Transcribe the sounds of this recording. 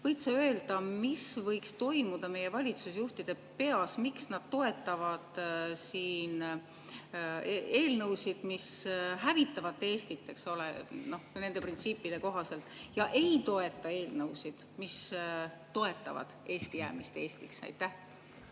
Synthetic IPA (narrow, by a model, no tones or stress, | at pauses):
vɤjt̪sɑø̞ːld̪̥ɑmisvɤjkst̪o̞jmud̪̥ɑme̞je̞vɑlʲit̪susjuht̪id̪̥e̞ | pe̞ɑsmiksnɑd̪̥t̪o̞e̞t̪ːˑɑvɑd̪̥siːn | eːlnɤwsid̪̥misɦævit̪ːˑɑvɑt̪ːe̞ːst̪it̪ːe̞kso̞lḛno̞hne̞nd̪̥e̞print̪siːpːˑid̪e̞ko̞ɦɑse̞lt̪ːˑjɑʔe̞jt̪o̞e̞t̪ːˑɑe̞ːlnɤwsid̪̥mist̪o̞e̞t̪ːˑɑ̰vɑ̰d̪̥e̞ːst̪ijæ̰ːmist̪e̞ːst̪iksɑ̰jt̪ːˑæh